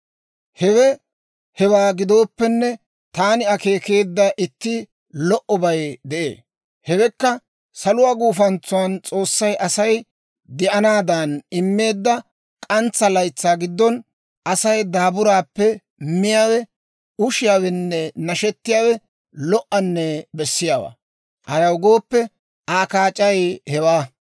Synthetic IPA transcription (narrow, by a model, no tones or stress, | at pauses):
hɛwɛ | hɛwaːɡɪd̪o̞ːpːɛnːɛ | t̪aːnɪɐke̞ːke̞ːd̪ːɐʔɪt̪ːɪ | lɔʔɔbɐjd̪ɛʔḛː | hɛwɛkːɐ | sɐlʊwaːɡuːfɐnt͡sːʊwaːnt͡sʼo̞ːsːɐjʔɐsɐj | d̪ɛʔɐnaːd̪ɐnɪmːe̞ːd̪ːɐ | kʼɐnt͡sːɐlɐjt͡sːaːɡɪd̪ːɔn | ɐsɐjd̪aːbʊɾaːpːɛ | mɪjaːwɛ | ʊʃɪjaːwɛnːɛnɐʃɛt̪ːɪjaːwɛ | lɔʔɐnːɛbɛsːɪjaːwa̰ː | hɐjɐwɡo̞ːpːɛ | aːkaːt͡ʃʼɐjhɛwaː